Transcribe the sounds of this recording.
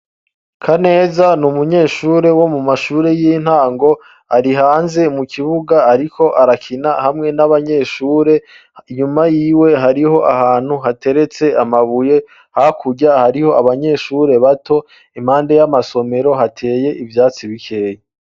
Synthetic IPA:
kʰane̞ːzanumuɲe̞ːʃuːɾe̞wo̞mumaʃuːɾe̞jin̥haːŋɡo̞ | aɾiɦaːnze̞mukʰiβuɡaːɾikʰo̞ʔaɾakʰinahamŋe̞naβaɲe̞ːʃuːɾe̞ | iɲumajiːwe̞ɦaɾiho̞ʔahaːn̥huɦate̞ɾe̞t͡se̞amaβuje̞ | hakʰuɟahaɾiho̞aβaɲe̞ːʃuːɾe̞βatʰo̞ | im̥haːnde̞jamaso̞me̞ɾo̞ɦatʰe̞ːje̞ʔivjaːt͡siβikʰeːje

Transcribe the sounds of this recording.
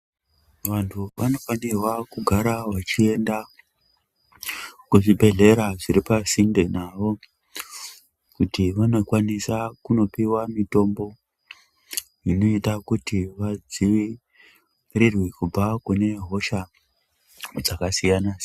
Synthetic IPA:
ʋantʰuʋano̞fanirwakuɡʱaɾaʋat͡ʃie̞nda | kuʐibʱe̞ɮe̞ɾaʐiɾipasindenaʋo̞ | kutiʋano̞kwanisakuno̞piwamito̞mbo̞ | ino̞itakutiʋad͡ziʋi | rirwikub͡vakune̞ɦo̞ʃa | d͡zakasijanas

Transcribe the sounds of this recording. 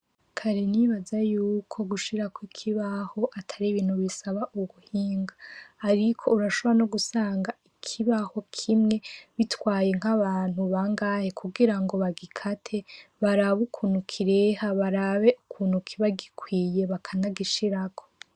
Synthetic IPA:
kʰaɾeniβazajuːkʰo̞ɡuʃiɾakwikʰiβaho̞ʔatʰaɾiβiːn̥huβisaβaʔuɡuhiːŋɡaːɾikʰo̞uɾaʃo̞βoanoɡusaːŋɡaikʰiβaho̞kʰimŋe̞βitwaːje̞ŋ̥haβaːnhuβaŋɡaːhekʰuɡiɾaŋɡo̞βaɡikʰatʰe̞βaɾaβukʰuːn̥hukʰiɾehaβaɾaβe̞ʔukʰuːn̥hukʰiβaɡikʰwiːje̞βakʰanaɡiʃiɾakʰo̞

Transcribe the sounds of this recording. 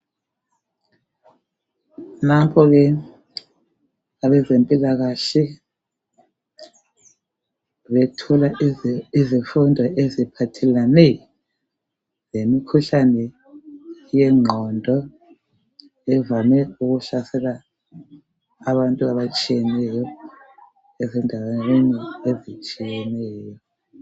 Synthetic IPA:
napʰɔɣɛ | aβɛzempʼilaɣaɬɛ | βɛtʰɔlaizifundʱɔʔezipʰatʰɛlanɛjɔ | zemikʰuɬanɛ | jɛŋ͡ǁʱɔndʱɔ | ɛvamɛuɣuɬasɛla | βantʼuaβat͡ʃʼijɛnɛjɔ | ɛzɛndʱawaweniezit͡ʃʼijɛnɛːjɔ

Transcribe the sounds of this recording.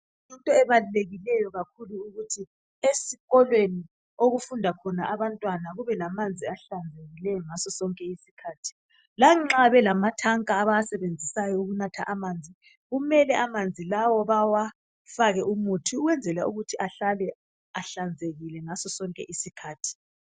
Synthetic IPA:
jintʼɔɛβaluleɣilɛjɔɣakʰuluːɣutʰi | esiɣɔlweni | oɣufundʱakʰɔnaʔaβantʼwanaɣuβɛlamand͡zʱiaɬand͡zʱeɣilɛjɔŋasɔsɔŋkʼɛisikʰaːtʰi̥ | laŋ͡ǁaβɛlamatʰaŋkʼaːβaasɛβend͡zʱisajɔuɣunatʰa̰ʔamaːnd͡zʱi | ɣumɛlɛʔamand͡zʱilawɔβawa | faɣɛʔumutʰiuɣwɛnd͡zʱɛla̰uɣutʰiʔaɬalɛ | aɬand͡zʱeɣilɛŋasɔsɔŋkʼɛ̰ʔisikʰaːtʰi̥

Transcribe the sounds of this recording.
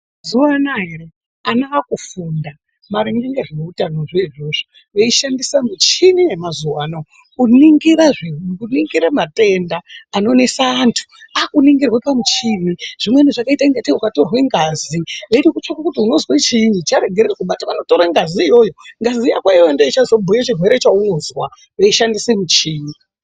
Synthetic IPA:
zuwanaɦe̞re | anaakufunda | maɾiŋɡiɲeʐieutano̞ʐeiʐoʐo | ʋeiʃandisamit͡ʃinijemazuwanao | kuniŋɡiɾaʐiɦuɡuniŋɡiɾemate̞ndaːno̞ne̞saːntʰu̥akuniŋɡirwepamut͡ʃiniʐ̥imweniʐakaitaŋɡetiukato̞rweŋɡazieɾikut͡ʃakakutiuno̞zwet͡ʃiːnd͡ʒit͡ʃaɾe̞ɡʱererekuɓataʋano̞toɾaŋɡaziːjo̞jo̞ŋɡaziijakwaijondeit͡ʃazobʱujat͡ʃirwe̞ɾe̞t͡ʃaunozwa | ʋe̞iʃandisemut͡ʃiːni

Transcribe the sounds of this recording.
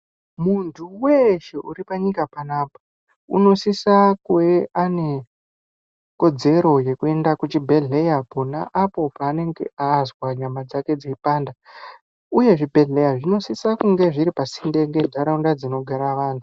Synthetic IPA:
muntʰuwe̞ʃe̞ʔuɾipaɲikapanaːpḁ | ṵno̞sisakweane̞ | ko̞d͡ze̞ɾo̞je̞kue̞ndakut͡ʃibʱe̞ɮe̞japona̰ʔapo̞paːne̞ŋɡe̞̰azwaɲamad͡zake̞d͡zeipaːnda | uje̞ʐibʱe̞ɮe̞jaʐino̞sisakuŋɡe̞ʐiɾipasinde̞ŋɡe̞dʱaɾaundad͡zino̞ɡʱaɾaʋaːntʰu

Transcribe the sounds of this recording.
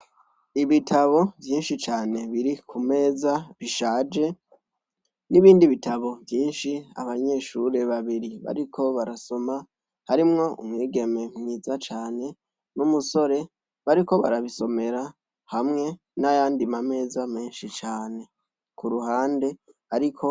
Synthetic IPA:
iβitʰaβo̞vjiːnʃit͡ʃaːne̞βiɾikʰume̞ːzaβiʃaːd͡ʒe̞ | niβiːndiβitʰaβo̞vjiːnʃia̰βaɲe̞ːʃuɾe̞βaβiɾiβa̰ɾikʰo̞βaɾaso̞ma | haɾimŋo̞ṵmŋiːɡe̞me̞mŋiːzat͡ʃaːne̞ | numuso̞ɾe̞ | βaɾiko̞βa̰ɾaβiso̞me̞ɾa | hamŋe̞ | najaːndimame̞ːzame̞ːnʃit͡ʃaːne̞ | kʰuɾuɦaːnde̞ | aɾikʰo̞

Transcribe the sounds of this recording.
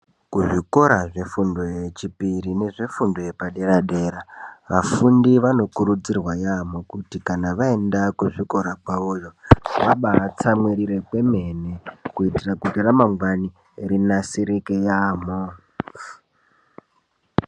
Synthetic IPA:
kuʐiko̞ɾaʐe̞fundo̞jet͡ʃipiɾine̞ʐe̞fundo̞jepaɗe̞ɾaɗe̞ːɾaʋafundiʋano̞kuɾud͡zirwajamo̞kutikanaʋaendakuʐiko̞ɾakwaojo̞ʋaɓat͡samwiɾiɾe̞kwe̞me̞nekuitirakutiramaŋɡwani | rinasiɾikejaːmo

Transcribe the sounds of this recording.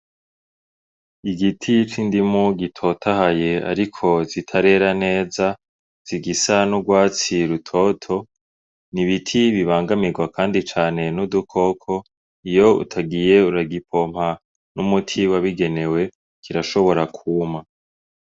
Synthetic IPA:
iɡitʰit͡ʃindimuɡitʰo̞tʰahaje̞a̰ɾikʰo̞zitʰaɾe̞ɾane̞ːza | z̥iɡisanuɡwaːt͡siɾutʰotʰo̞ | niβitʰiβiβaːŋɡamiɡwakʰaːndit͡ʃaːne̞nudukʰo̞kʰo̞ | ijo̞ṵtʰaɡije̞uɾaɡipʰo̞m̥ha | numutʰiwaβiɡe̞ne̞we̞ | kiɾaʃo̞βo̞ɾakʰuːma

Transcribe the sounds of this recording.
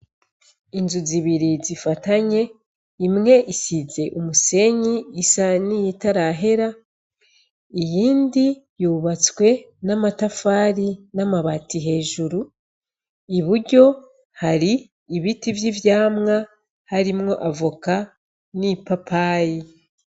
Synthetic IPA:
inzuziβiɾizifataɲe̞ | imŋe̞ʔisize̞ʔumuse̞ɲiːsanijitaɾaɦe̞ɾa | ijiːndijuːβat͡swe̞ | namatafaːɾinamaβatiɦe̞ːʒuɾu | iβuɾɟo̞ | haɾiː | βitivjivjaːmŋa | haɾimŋo̞ʔavuka | nipapʰaːji

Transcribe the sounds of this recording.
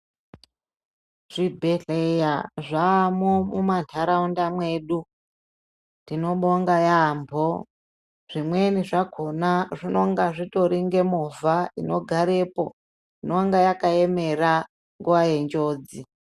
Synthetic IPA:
ʐ̥ibʱe̞ɮejaʐaːmomumantʰaɾaundamwe̞ːɗu | tdino̞ɓoŋɡajaːmbʱo | ʐ̥imwe̞niʐakʰo̞naʐino̞ŋɡaʐito̞ɾiŋɡe̞movʱaino̞ɡʱaɾe̞po̞̰ | inoŋɡajakae̞me̞ra | ŋɡuʋaje̞nd͡ʒo̞ːd͡zi

